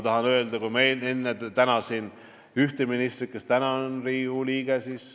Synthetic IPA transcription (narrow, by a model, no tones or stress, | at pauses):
t̪ɑɦɑnø̞eld̪̥ɑkumejlenːet̪ænɑsiːn | yht̪eminist̪rikːˑest̪ænɑnriːhuliːɡ̥esis